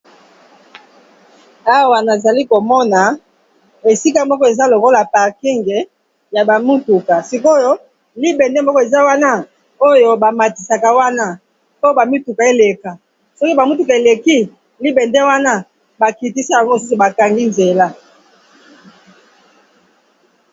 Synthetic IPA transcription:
a˦wa˨na˨za˨li˦ko˨mɔ˦na˨ | e˨si˦ka˦mɔ˦kɔ˦e˨za˦lo˨ko˦la˨pa˨ʁki˦ŋɡe˨ | ja˨ba˨mu˦tu˨ka˨si˨ko˦jo˦ | li˦be˨ndɛ˦mɔ˦kɔ˦e˨za˦wa˦na˦ | o˦jo˦ba˨ma˨ti˨sa˨ka˨wa˦na˦ | po˦ba˨mi˦tu˨ka˨e˦le˨ka˨ | sɔ˦ki˦ba˨mu˦tu˨ka˨e˨le˨ki˦ | li˦be˨nde˦wa˦na˦ | ba˨ki˨ti˦si˦ja˨ŋɡo˦o˨s̬u˦su˨ba˨ka˨ŋɡi˦nze˨la˦

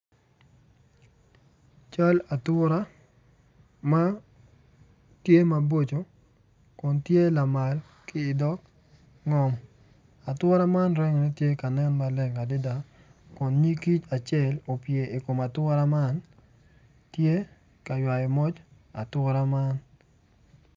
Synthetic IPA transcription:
t͡ʃa˦la˨twʊ˦ɾa˦ | ma˦ | tje˦ma˨bo˦t͡ʃo˨ | kʊ˨ntje˦la˨ma˨l | kɪː˦˨dɔ˦k | ŋɔ˨m | a˨twɔ˦ɾa˦ma˦nɾɛ˦ŋɔ˨nɛ˦tje˦ka˨nɛ˦nma˨lɛ˦ŋa˨dɪ˦da˨ | kʊ˨nɲi˦ki˦t͡ʃa˨t͡ʃjɛ˦˨lo˨pje˨ɪ˨ko˨ma˨twɔ˦ɾa˦ma˦n | tje˦ | ka˨jwa˨jɔ˨mɔ˦t͡ʃ | a̰˨twɔ˦ɾa˦ma˦n

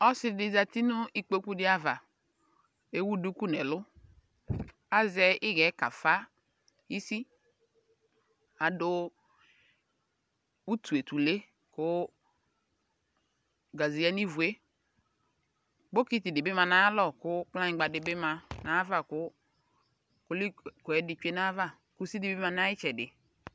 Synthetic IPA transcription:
ɔ˦sɪ˦di˦za˨ti˦nʊ˦i˦k͡po˦ku˦dɪ˦a˦va˨ | e˦wu˦du˦ku˦˨nɛ˨lʊ˦ | a˦zɛ˦ɪ˦ɣɛ˨˦ka˨fa˦ | i˦si˦ | a˨dʊ˦ | u˦tu˨e˨tu˨le˦ | kʊ˨˦ | ɡa˨zi˨jɛ˦ni˦vu˨e˦ | ɡ͡bo˦ki˦ti˨dɪ˨bɪ˦ma˧na˦lɔ˨kʊ˦k͡pla˦ɲĩ˦ɡ͡ba˨dɪ˨bɪ˦ma˧na˨˦va˦˨kʊ˦ | kʊ˦li˦kɔ˨ɛ˨˦dɪ˨t͡ʃe˦na˦va˦˨ | ku˦si˦di˨˦bma˧na˦i˦t͡ʃɛ˨dɪ˨

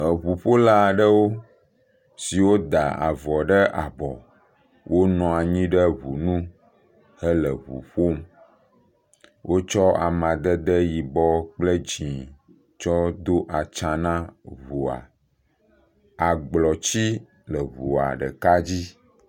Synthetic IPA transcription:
ə˨βu˨ɸo˦la˦˨ɖə˦wo˦ | si˨wo˦d̪a˨a̰˨vɔ˨ɖə˦ʔa˨bɔ˨ | wʔo˦nɔ̃˨a˨ɲĩ˦ɖə˦βṵ˨nũ˦ | ɦə˦lə˨βṵ˨ɸo˦m˦ | wʔo˦t͡ʃɔ˦a̰˨mã˨d̪ə˦d̪ə˦ji˨bɔ˦k͡plə˦d͡ʒĩ˨ | t͡ʃɔ˦d̪o˦ʔa˨t͡ʃã˨nã˦βu˨a̰˨ | a˨ɡ͡blɔ˨t͡ɕi˦ | lə˨βṵ˨a̰˨ɖə̰˨ka˦d͡ʑi˦

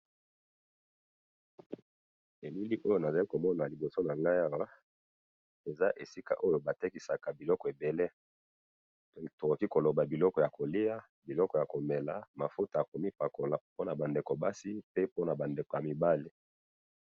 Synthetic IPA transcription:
e˨mi˦li˦ʔo˦jo˦na˨za˨li˦ko˨mɔ˦na˨li˨bo˨so˦na˨ŋɡa˦ja˦wa˦ | e˨za˦ʔe˨si˦ka̰˨ʔo˦jo˦ba˨te˦ki˨sa˨ka˨bi˨lɔ˦kɔ˨e˨be˨le˦˨ | to˨ko˨ki˦ko˨lo˨ba˨bi˨lɔ˦kɔ˨ja˨ko˨li˦ja˦ | bi˨lɔ˦kɔ˨ja˨ko˨me˨la˨ma˨fo˦ta˨a˨ko˨mi˦pa˨ko˨la˨po˦na˨ba˨nde˨ko˨ba˦si˦pe˦po˦na˨ba˨nde˨ko˨ja˨mi˨ba˦li˦

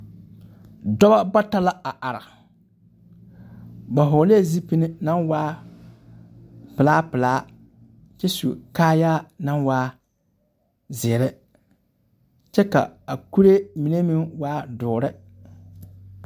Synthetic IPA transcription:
dɔ˦ba˦ba˦ta˦la˦a˨ʔa˨ɾɪ˨ | ba˨ɦʊː˨˦le˦˨zi˦pi˦nɪ˦na˦nwaː˦ | pɪ˨laː˦pɪ˨laː˦ | t͡ʃɛ˦sṵ˨kaː˦jaː˦na˦nwaː˦ | zɪː˨ɾɪ˦ | t͡ʃɛ˦ka̰˨a˨ku˦ɾe˦mɪ˨ne˦mɪ˦ŋwaː˦dʊː˨ɾɪ˦

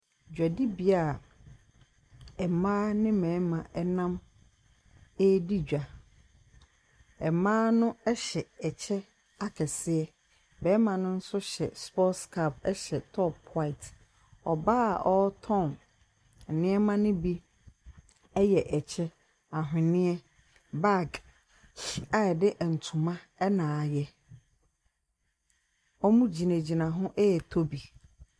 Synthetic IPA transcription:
d͡ʑᶣa˨di˦bi˦a˨ | ɛ˨mãː˦nɪ̃˦mɛ̃˨˦mã˨ʔɛ˦nã˦m | e˦di˦d͡ʑᶣa˨ | ɛ˨mãː˦nʊ̃˦ɛ˦ɕɛ˨ɛ˨t͡ɕʰɛ˦ | a˦kʰɛ˨sɪ˦ɛ˦ | bɛ˨˦mã˨nʊ̃˦n̩˦sʊ˦ɕɛ˨spɔ˦skʰa˦˨p̚ɛ˦ɕɛ˨tʰɔ˦pʰːwa˦ɪ˨t | ɔ˨ba˦˨ʔɔ˦tʰɔ̃˦˨n̩˨ | nɪ̃˦ɛ˦mã˦nʊ̃˦bi˦ | ɛ˦jɛ˨ʔɛ˨t͡ɕʰɛ˦ | a˨ɦɪ̃˨nɪ̃˦ɛ˦ | ba˦˨ɡ | a˨dɪ˦ʔɛ˨n̩˨tʰʊ̃˨mã˦ | ɛ˦nãː˨jɛ˦ | ɔ˦mũ˦d͡ʑi˨nẽ˨d͡ʑi˨nã˨ɦʊ̃˦ʔɛ˦˨tʰo˦bi˨

